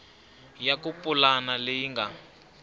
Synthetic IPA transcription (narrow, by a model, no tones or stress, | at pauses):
jakupʼulanalejiŋɡa